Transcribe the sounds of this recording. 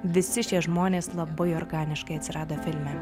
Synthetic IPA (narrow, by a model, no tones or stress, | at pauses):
ʋʲɪsʲɪʃʲiɛʒmoːnʲeːslˠɐbɐɪɔɾɡɑːnʲɪʃkɐɪɐt̪sʲɪɾɑːd̪ɐfʲɪlʲmʲɛ